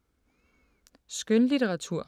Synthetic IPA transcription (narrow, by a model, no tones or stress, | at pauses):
sɡ̥ønlit͡seʁɑ̈t͡sʰuɐ̰